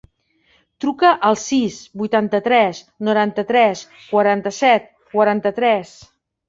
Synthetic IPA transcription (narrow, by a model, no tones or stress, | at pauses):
t̪ɾukəʔəlˠsisbujt̪ant̪ət̪ɾɛs | nuɾant̪ət̪ɾɛs | kwəɾant̪əsɛt̪̚ | kwəɾant̪ət̪ɾɛs